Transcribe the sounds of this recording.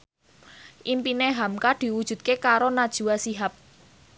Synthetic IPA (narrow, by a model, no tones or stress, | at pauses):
ʔimpineɦamkaɖ̥i̤wud̥ʒ̥ṳt̪̚kekaɾonad̥ʒ̥ṳwasiɦap̚